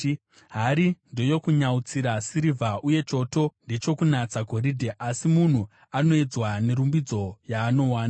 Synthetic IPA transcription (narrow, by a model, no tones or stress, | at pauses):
ɦaɾindo̞jo̞kuɲaut͡siɾasiɾivʱaʔuje̞t͡ʃo̞to̞nde̞t͡ʃo̞kunat͡saɡʱo̞ɾidʱeʔasimun̤u | ano̞ed͡zwane̞ɾumbid͡zo̞jaːno̞waːna